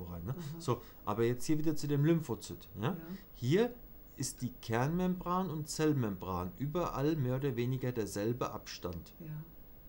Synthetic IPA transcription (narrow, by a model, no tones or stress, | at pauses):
ʁaɪnːəz̥oː | ʔa̰ːbɐjɛt͡sthiːɐviːdɐt͡sudeːmlʏmfot͡sy̰ːtjaː | hiːɐ | ʔɪstd̥iːkʰɛɐnmɛmbʁaːnʊntt͡sɛlmɛmbʁaːnʔyːbɐʔa̰lmeːɐoːdɐveːnɪɡɐdeːɐzɛlbəʔa̰pʃtant